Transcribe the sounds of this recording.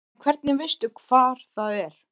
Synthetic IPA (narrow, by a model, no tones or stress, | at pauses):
kʰvɛɾt̪nɪvɪst̪ʏkʰv̥aːɾ̥θaðɛɾ̥